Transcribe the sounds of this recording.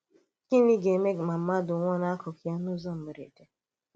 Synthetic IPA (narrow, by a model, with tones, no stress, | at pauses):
ki˦ni˦ɡe˨me˦˨ma˨m̩˦ma˦dʊ˨ŋʷɔ˦na˦kɔ˨kja˦nʊ˦zɔ˦m̩˨me˨ɾḛ˨de˨